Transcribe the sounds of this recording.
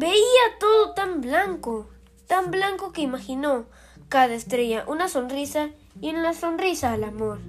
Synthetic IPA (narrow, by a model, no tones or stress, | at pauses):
beiat̪oðot̪amblaŋko | t̪amblaŋkokeimaxino | kaðaest̪ɾeʝaʔunasonrisa | jnasonrisaːlamoɾ